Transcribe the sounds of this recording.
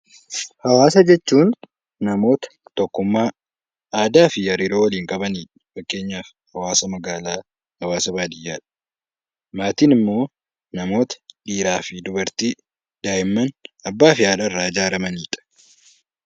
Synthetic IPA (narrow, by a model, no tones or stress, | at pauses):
hɐwaːsɐd͡ʒɛt͡ʃːuːnː | ɐmo̞ːt̪ɐ̥t̪ɔkːʊmːaː | aːd̪aːfɪjɐɾɪɾoːwɐliːŋkʼɐbɐniːᶑɐfɐkːe̞ːɲːaːf | hɐwaːsɐmɐɡaːlaː | hɐwaːsɐbaːd̪ɪjːaːᶑɐ̥ | maːt̪iːnɪmːo̞ː | nɐmo̞ːt̪ɐ̥ᶑiːɾaːfɪd̪ʊbɐɾt̪iː | d̪aːjɪmːɐnɐbːaːfɪaːlɐrːaːɪd͡ʒaːɾɐmɐniːᶑɐ̥